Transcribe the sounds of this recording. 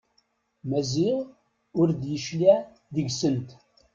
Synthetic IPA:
mæziʁ | ʊɾd̪jəʃli | ðəɡsənt̪

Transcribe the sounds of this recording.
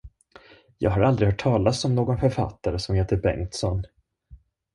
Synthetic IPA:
jɑ̰ːɡɦaɾald̪ɾɪɡhœːʈʰːɑːlasɔmnoːɡɔnfœɾfa̰t̪ːaɾəsɔmheːt̪əɾbɛ̰ŋt̪sɔnː

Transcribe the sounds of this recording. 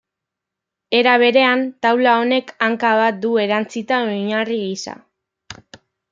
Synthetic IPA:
e̞ɾaβ̞e̞ɾe̞ant̪awlao̞ne̞kaŋkaβ̞at̪̚d̪ue̞ɾant͡sit̪aojɲariɣisa̰

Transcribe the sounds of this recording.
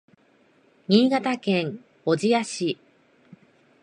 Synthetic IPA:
ɲ̟iːɡat̪akẽ̞ŋ | od͡ʑijaɕi

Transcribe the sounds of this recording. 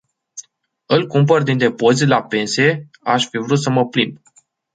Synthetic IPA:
ɨlkump̬ərd̪ind̪e̞po̞zilape̞nse̞ | aʃʲfivɾut̪səməplimb

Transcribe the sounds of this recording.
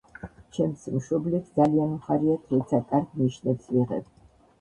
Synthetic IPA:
t͡ʃʰɛmsimʃɔblit̪ʰd̪zalianmχaɾiat̪ʰɛt̪sʰakʼaɾd̪niʃnɛpsviʁɛ̰b

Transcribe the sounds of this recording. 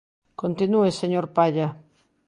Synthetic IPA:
kont̪inueseɲoɾpaʎa

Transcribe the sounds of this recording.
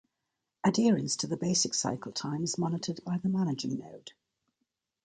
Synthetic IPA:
ədɪəɹə̃nstʰəðəbeɪsɪksa̰ɪkʰəlˠtʰãɪ̃mɪzmɒnɪtʰəd̚baɪðəmanɪd͡ʒɪ̃ŋnəʊd̥

